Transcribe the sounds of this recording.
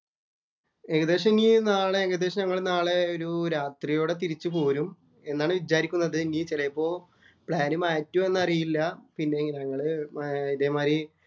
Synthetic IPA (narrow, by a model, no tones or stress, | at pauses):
eɡɐd̪e̞ːʂɐminiːnaːɭeeɡɐd̪e̞ːʂɐɲɐŋːɐɭnaːɭeoɾuɾaːt̪rijoːɽe̞t̪̬iɾit͡ɕːɨpoːɾum | e̞nːaːɳɨʋid͡ʑaːɾikʲːunːɐðɨniːt͡ɕilɐjpːo̞ː | pɭaːnumaːtːume̞nːɐrijilːɐpinːe̞ŋiɲɐŋːɐɭɨiðeːmaːɾi